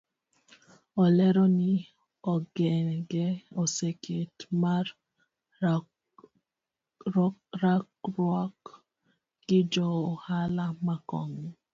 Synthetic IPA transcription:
ɔlɛɾɔnɪ | ɔɡɛɡɛosekʰetmaɾ | ɾakɾwɔk | ɡɪd͡ʒɔohalamakɔ̰ŋ

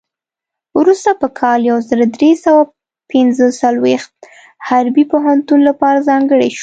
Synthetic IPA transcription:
wɾust̪apəkʰɑljawzəɾad̪ɾesawa | pɪnzəsalwext̪̚ | haɾbipoɦant̪unlapɑɾazɑŋɡəɽeʃ

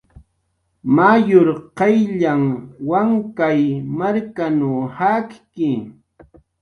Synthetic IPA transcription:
majoɾqɑjʎaŋwaŋkajmaɾkanuhakkɪ

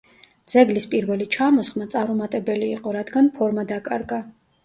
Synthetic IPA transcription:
d̪z̥ɛɡlispʼiɾvɛlit͡ʃʰamɔsχmat̪sʼaɾumat̪ʼɛbɛliːqʼɔɾad̪ɡanpʰɔɾmad̪akʼaɾɡa

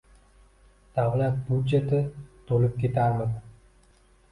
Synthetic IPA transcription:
d̪̥avlat̪̚bud̪d͡ʒet̪ɪt̪ʰolɪp̚kʲe̞t̪aɾmɪð

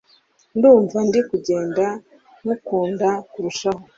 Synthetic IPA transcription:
nduːɱvandikuɟe̞ːnda | nukuːndakuɾuʃaho

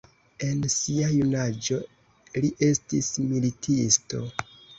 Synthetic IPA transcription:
e̞nsiajunad͡ʒo | liʔe̞stismilitʰisto̞̰

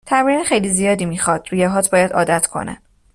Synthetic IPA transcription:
t̪ʰæmɾinexejliːzijɒːd̪iːmiːxɒd̪̥ɾuːjeɦɒːt̪̚ʰbɒːjæd̪ɒ̰ːd̪æt̪ʰkʰo̞̰næ̰n

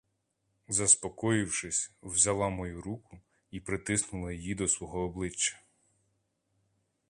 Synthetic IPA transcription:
zɐspɔkɔjɪwʃɪsʲwzɐlˠɑmɔjuɾukʊ | ipɾɪt̪ɪsnʊlˠɐjijid̪ɔsʋwɔɦɔːblˠɪt͡ʃːɐ̥

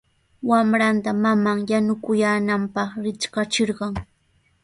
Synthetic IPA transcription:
wamɾant̪amamaŋjanʊkʊjaːnampɑχɾɪt͡ʃkɑt͡ʃɪɾɢɑŋ

